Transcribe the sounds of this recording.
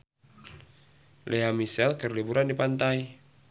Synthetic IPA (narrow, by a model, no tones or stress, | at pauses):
lʔeamisɛlkərlibuɾandipant̪aj